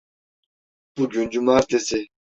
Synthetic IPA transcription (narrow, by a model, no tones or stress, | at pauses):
b̥uɡynd͡ʒymaːɾt̪ʰesi